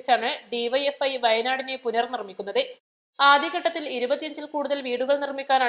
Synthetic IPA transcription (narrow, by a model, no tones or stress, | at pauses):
t͡ɕːaːɳɨɖiʋɐjefɐjʋɐjɐnaːɽine̞punɐrnirmikʲːunːɐðɨ | aːd̪ʱjiɣɐʈːɐt̪ːiliɾubɐt̪ːijɐɲd͡ʑilkuːɽuðɐlʋiːɽuɣɐɭnirmikʲːaːnaː